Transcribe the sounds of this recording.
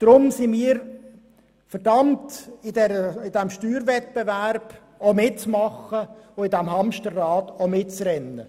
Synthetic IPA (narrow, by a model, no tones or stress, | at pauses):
d̥ɾʊmsɪmiːəɾ | fəɾdɑmtɪdɛɾəɪd̥æmʃtyːɾvɛt̚b̥evæɾb̥ | omɪtt͡smɑχəʊɪdæmɦɑmpʃtərːɑːtomɪtt͡srɛnːə